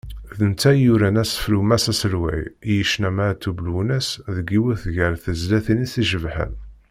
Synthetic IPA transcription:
ðənt͡s̪ːæjuɾænæsə̥flumæsæsəlwæ̰jjəʃnæmæt̪ʰːublwunæsðəɡiwæθʝəɾθəzlæθinisiʒəvħə̰n

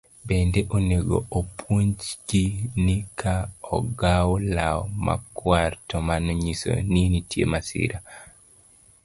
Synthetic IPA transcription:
bendeʔoneɡo̰ʔopʰuɲd͡ʒɡ̥inikʰaɔɡawlaɔma̰kwartɔmanɔɲiso̰ninitjḛmasɪ̰ɾa

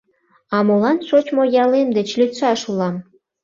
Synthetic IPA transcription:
ɑmolɑnʃot͡ɕmojɑlemd̪ĕt͡ɕlʲyt̪ʃɑʃulˠɑm

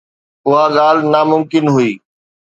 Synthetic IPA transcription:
ʊɦaɠaːl̤naːmʊmkɪnɦʊiː

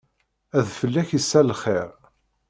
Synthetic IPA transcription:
æðfəlːæçisːælχeʁ

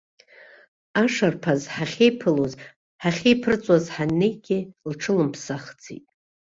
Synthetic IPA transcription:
aʂarpʰazħaχʲejpʰɨluz | ħaχʲejpʰɨrɨt͡sʷʼwazħanːejɡʲilʈ͡ʂʰɨlɨmpʰsaχd͡zḭtʼ

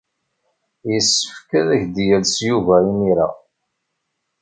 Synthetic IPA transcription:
jəsːə̥fkæðæçd̪jælsjuvæimiɾa̰

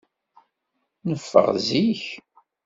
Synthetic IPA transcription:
nəfːə̰ʁziç

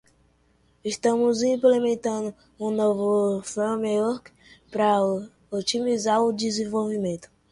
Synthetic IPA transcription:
ɪʃt̪ɐ̃mʊzĩplemẽnt̪ɐ̃d̪ʊ | ũnovʊfmeɔɾk | pɾɐ | ot͡ʃimizaɾʊd͡ʒizẽvowvimẽnt̪ʊ̥

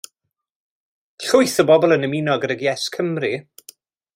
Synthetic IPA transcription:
ɬʊɨθəbɔbɔlˠənəmɪnɔɡəɾəɡjɛskʰəmri

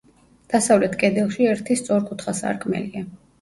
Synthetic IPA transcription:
d̪̥asavlɛt̪ʰkʼɛd̪ɛlˠʃiɛɾt̪ʰist̪sʼɔɾkʼut̪ʰχasa̰ɾkʼmɛ̰lia

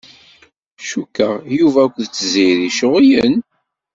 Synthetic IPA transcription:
ʃukːəʁjuvækʷðt͡sːəziðiʃoʁijən

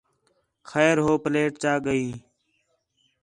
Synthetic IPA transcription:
xɛːɾɦoːpleːʈ̚t͡ʃaːɠəiː

